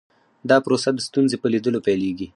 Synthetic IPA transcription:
d̪ɑpɾosad̪əst̪unzepəlid̪əlopɛleɡi

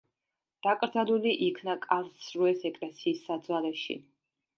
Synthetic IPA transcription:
d̪̥akʼɾd̪zaluliʔikʰnakʼalsɾuɛsɛkʼlɛsiːsːad̪zwalɛʃḭ

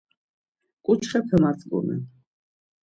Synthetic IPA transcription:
kʼut͡ʃʰχɛpʰɛmasʼɡṵmɛ̰

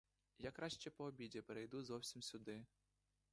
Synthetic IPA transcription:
jakɾɑʃt͡ʃɛpɔːbʲidʲipɛɾejd̪uzɔwsʲimsʲʊd̪ɪ

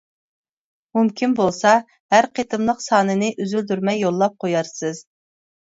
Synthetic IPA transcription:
mumkʲʰinbolˠsɑ | hæɾqʰet̪ʰɨmlˠəqsɑːnɨnɨʔyzyld̪yɾmɛjːolˠːɑp̚qʰojɑɾsɨz̥

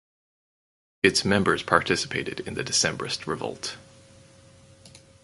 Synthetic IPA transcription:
ɨtsmɛ̃mbə˞z̥pʰɑɹtʰɪsə̥pʰeɪɾɨ̰ɾɪ̰̃nðɨdɨsɛ̃mbəɹɨst̚ʰɹɨvʌ̰lˠt

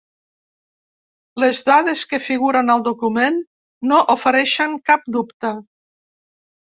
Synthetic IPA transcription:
lezðaðeskəfiɣuɾənəlˠd̪ukumenː | oʔufəɾɛʃəŋkap̚d̪upt̪ə

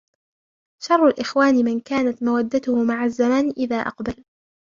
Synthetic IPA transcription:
ʃɑrˤːalʔɪxwaːnɪmɪnkaːnat̪mawad̪ːat̪ʊhʊmaʕazːamaːnʔɪðaːʔɑ̰qbal

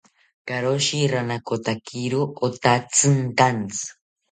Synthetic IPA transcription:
kaɾoʃiɾanakot̪akʰiɾoot̪at͡sɨnt̪ant͡sɨ̥

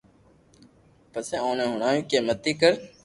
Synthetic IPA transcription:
pəsẽːõːnẽːɦʊɳaːjũːkeːmət̪iːkəɾ

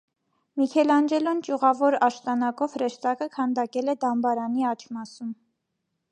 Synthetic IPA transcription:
mikʰɛlɑnd͡ʒɛlɔnt͡ʃuʁɑvɔɾɑʃt̪ɑnɑkɔvɾɛʃt̪ɑkəkʰɑnd̪ɑkɛlɛd̪ɑmbɑɾɑniɑt͡ʃʰmɑsum

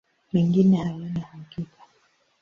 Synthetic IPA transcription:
mɛŋɡinɛhawanahukika

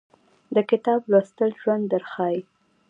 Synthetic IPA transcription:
d̪əkɪt̪ɑblast̪əlʒwand̪ːəɾxɑj

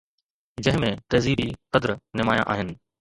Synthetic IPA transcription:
d͡ʑɐ̃ɦɪ̃mẽt̪ɐːziːɾiqɐd̪ɾnɪmaːjã̰ʔa̰ːɦɪnɪ̆

